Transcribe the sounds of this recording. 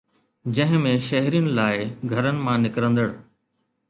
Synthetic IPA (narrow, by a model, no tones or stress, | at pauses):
d͡ʑɐ̃ɦɪ̃mẽʃɐɦɾijənɪ̆laːɪɡʱɐɾənɪ̆mãnɪkɾə̃nd̪əɽ